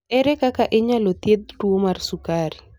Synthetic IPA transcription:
ɛɾɛkakaʔɪɲalot̪jed̪̚twomarsukaɾi

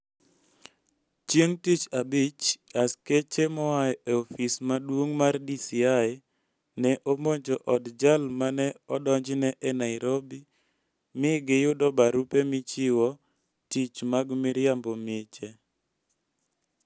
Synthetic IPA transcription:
t͡ʃjeŋtit͡ʃabit͡ʃasket͡ʃemɔajeofismadwoŋmardisiaj | nɛʔomoɲd͡ʒɔʔɔdd͡ʒalmanɛɔdɔɲd͡ʒnɛʔɛnaɪɾobi | mɪɡɪjʊdɔbaɾupemɪt͡ʃɪwɔ | tit͡ʃmaɡmɪɾjambomɪt͡ʃe

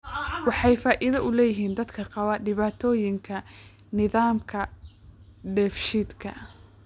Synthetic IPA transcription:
wɑħɑjfaːʔɪðɐʔʊlɛːjɪɦiːnd̪ɐd̪kʰɐqɑwɐɖɪβaːt̪ʰɔːjɪŋkʰɐ | nɪðaːmkʰɐ | ɖɛːfʃid̪kʰɐ̰

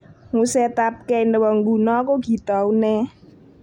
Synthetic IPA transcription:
ŋusɛt̪ap̚kɛindəwɔŋɡṳnɔkoɡ̥i̤t̪ɔunɛ

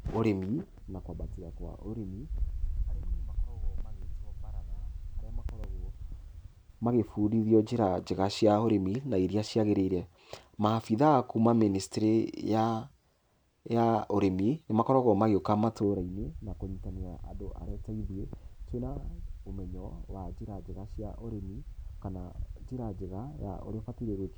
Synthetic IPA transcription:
oɾemi | nakwabatiɣakwa̰ʔoɾemiaɾeemakɔɾɔɣɔmaɣeɔbaɾaɣaːɾeamakɔɾɔɣɔ | maɣefuːɾiðjɔd͡ʒeɾad͡ʒeɣaɕjaoɾeminaiɾiaɕiaɣeɾeɾɛ | mafiðakumaministeɾeja | jaoɾeminemakɔɾɔɣɔmaɣeokamatoɾainenakoɲitaneaʔa̰doʔa̰ɾɛtaiðietonaomɛɲɔwad͡ʒeɾad͡ʒeɣaɕjaʔoɾemikanad͡ʒeɾad͡ʒeɣaja̰ʔo̰ɾeɔfatiɾeɾwek

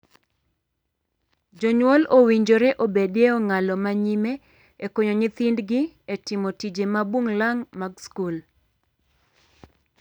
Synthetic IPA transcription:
d͡ʒoɲwɔlowiɲd͡ʒoɾeʔobedeɔŋalɔmaɲime | ekoɲoɲɪt̪ɪndɡɪ | etɪmotid͡ʒemabwoŋlaŋmaɡskul

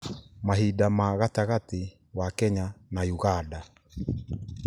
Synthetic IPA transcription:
maɦidamaɣataɣati | wakɛɲanajuɣada

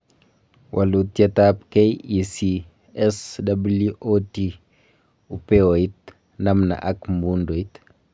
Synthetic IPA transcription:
wʔɐlutjɐtap̚kɛjisi | ɛsdɐbuluʔoti | upeoit̚ | nɐmna̰ʔakmbundoit

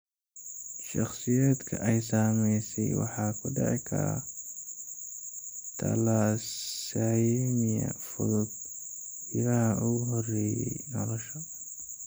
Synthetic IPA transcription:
ʃɑχsɪjaːd̪kʰɐʔɛjsaːmɛjsɛjwɑ̰ħɑːkʰʊɖɛʕɪkʰɐɾa̰ | t̪ʰɐ̰laːsajmɪjɐ̰fʊðʊd̪̚ | jɪɾɐɦɐʔuɦɔrɛːjɛ̰nɔlɔʃɐ

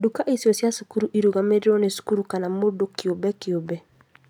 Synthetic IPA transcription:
dukaʔisiɔsjasukuɾuʔiɾuɣameɾeɾɔnesu̥kuɾukanamodokjobɛkiobɛ

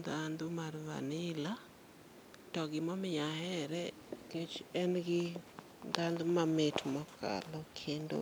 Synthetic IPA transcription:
d̪and̪umarva̰nɪla | tɔɡɪmɔmɪjahɛɾɛ | ket͡ʃɛnɡɪ | d̪and̪umametmɔkʰa̰lɔkʰendo̰

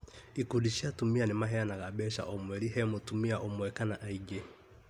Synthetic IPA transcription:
ikudiʃiatumianemaɦɛanaɣabɛʃa̰ʔɔmwɛɾiɦɛmotumiaʔomwɛkanaʔaiɡe

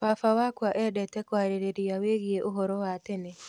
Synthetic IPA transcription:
waːfawakwaʔɛdɛtɛkwaːɾeɾeɾiaweːɣieʔoɦɔɾɔwaːtene

